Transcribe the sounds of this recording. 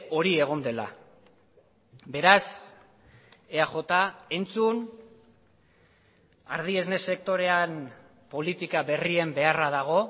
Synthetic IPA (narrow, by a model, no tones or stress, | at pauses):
o̞ɾie̞ɣ̞o̞nd̪e̞la̰ | be̞ɾas | eaʝo̞t̪ae̞nt͡sun | aɾð̞ie̞zne̞se̞k̚t̪o̞ɾe̞an | po̞lit̪ikaβe̞rie̞mbe̞araðaɣ̞o̞